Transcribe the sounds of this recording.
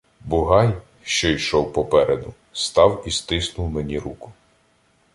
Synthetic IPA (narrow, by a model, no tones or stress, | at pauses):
bʊɦɑj | ʃt͡ʃɔjʃɔwpɔpɛɾed̪ʊ | st̪ɑwist̪ɪsnʊwmenʲiɾukʊ̥